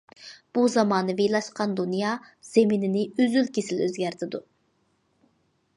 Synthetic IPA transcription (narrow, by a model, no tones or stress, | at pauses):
b̥uzɑmɑːnɨvejlˠɑʃqɑnd̪unjɑː | z̥eminɪnɪøzylkʲesɪløzɡʲæɾt̪ʰɪd̪u